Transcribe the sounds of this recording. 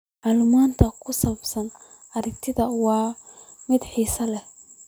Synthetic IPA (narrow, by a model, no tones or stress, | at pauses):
maːlumaːnt̪ʰɐkʰʊsɐβɐbsɐn | ʔɐɾɪkt̪ʰɪðɐwɑːmɪd̪ħiːsɐlɛh